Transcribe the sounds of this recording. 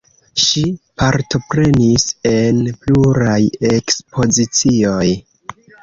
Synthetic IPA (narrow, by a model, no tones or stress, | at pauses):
ʃipaɾto̞pɾe̞nise̞npluɾaje̞kspo̞zit͡sio̞j